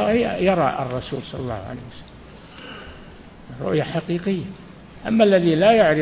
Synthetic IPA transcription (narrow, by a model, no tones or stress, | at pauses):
jɑɾˤɑ̰ʔɑ̰rˤːɑsṵːlsˤɑlːɑlːɑ̰ːhʕa̰lḛhwasḁlːm | ɾˤʊ̰ʔjaħaqiːqɪjːa | ʔa̰mːalːaðilajaʕɾɪ